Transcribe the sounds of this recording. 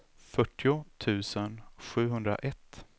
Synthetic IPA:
fœʈːɪʊt̪ʰʉ̟ːsənɧʉ̟ːɦɵnd̪ɾa̰ʔɛt̪ː

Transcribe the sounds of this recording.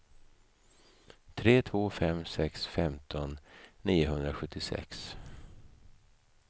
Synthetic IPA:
t̪ʰɾeːt̪ʰvoːfɛmsɛksfɛmt̪ʰɔnːiːʊɦɵnd̪ɾaɧɵt̪ʰːɪsɛ̰ks

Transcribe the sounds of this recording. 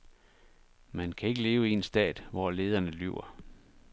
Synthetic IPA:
mænkʰæe̝ɡ̥əle̝ːʊie̝nsd̥ɛ̰ːd̥ʋɒle̝ːð̞ˠɐnəly̰ʊ̰ɐ

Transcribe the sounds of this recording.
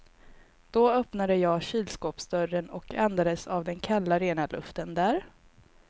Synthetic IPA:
d̪̥ɔœpnad̪əjɑːɡɕiːlskoːpsd̪œɾənɔkʰɛnd̪ad̪əsavd̪ɛnkʰalːaɾeːnalɵ̰ft̪ənd̪æːɾ

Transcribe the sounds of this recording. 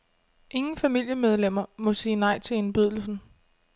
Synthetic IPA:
ʔe̝ŋn̩fæmil̰jəmeð̞ˠlem̰ɐmɔ̽siːnɑ̈ɪ̰t͡sʰe̝e̝nb̥yð̞̰ˠl̩sn̩

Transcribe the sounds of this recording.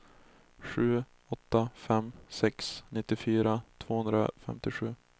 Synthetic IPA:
ɧʉ̟ː | ɔt̪ːafɛmsɛksnɪt̪ːɪfyːɾat̪ʰvoːhɵnd̪ɾa̰fɛ̰mt̪ɪɧʉ̟ː

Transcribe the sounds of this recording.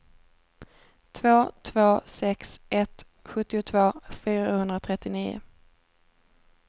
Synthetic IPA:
t̪ʰvoːt̪ʰvoːsɛksʔɛt̪ | ɧɵt̪ːɪʊt̪ʰvoːfyːɾahɵnd̪ɾat̪ʰɾɛt̪ːɪniːʊ̰

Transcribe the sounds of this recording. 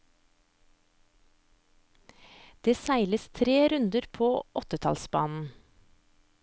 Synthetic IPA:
d̪̥eːsæɪləst̪ʰɾeːɾʉnd̪əɾpʰoːʔɔt̪ət̪ʰɑ̰lsbɑ̰ːnn̩

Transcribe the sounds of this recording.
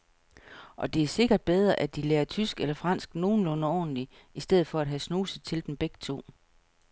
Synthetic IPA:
ʔɒ̽d̥e̝æɐse̝ɡ̥ɐd̥̚b̥eð̞ˠʁɐʔæd̥ileːɐt͡sʰysɡ̥elɐfʁɑn̰sɡ̥no̝ːn̩lɔ̽nəɒ̰̥ːn̩li | isd̥eð̰̩ˠfɒ̽ædɦæsnuːsət͡sʰe̝ld̥emb̥eɡ̥ə̥t͡sʰo̝̰ː

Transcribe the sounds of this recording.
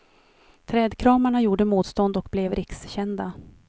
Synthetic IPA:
t̪ʰɾɛːd̪kʰɾɑːmaɳajuːɖəmuːt̪st̪ɔnd̪ɔkblɛvɾʔɪksɕɛnd̪a

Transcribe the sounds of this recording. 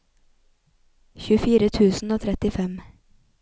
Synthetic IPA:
çʉfiːɾət̪ʰʉːsn̩oːt̪ʰɾɛt̪ɪfɛm

